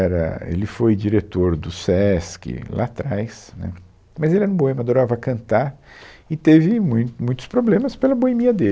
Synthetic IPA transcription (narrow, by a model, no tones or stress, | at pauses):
ɛɾɐ̰ḛlɪfojd͡ʒiɾet̪oɾd̪ʊsɛskɪ̰la̰t̪ɾajsnɛ̰ | mɐzelɪɛnũboẽmɐd̪oɾavɐkɐ̃nt̪aɾɪt̪evɪmũj̃t̪mũj̃t̪ʊ̥spɾoblẽmɐspelɐboemiɐd̪el